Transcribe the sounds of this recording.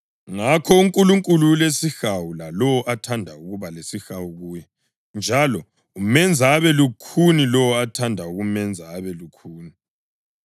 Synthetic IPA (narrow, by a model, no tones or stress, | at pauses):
ŋakʰɔuŋkʼuluŋkʼululesixawulalɔwɔʔatʰandʱauɣuβalesixawuɣuːjɛ | nd͡ʒʱalɔ | umɛnd͡zʱaːβɛlukʰunilɔwɔatʰandʱauɣumɛnd͡zʱaːβɛlukʰuːni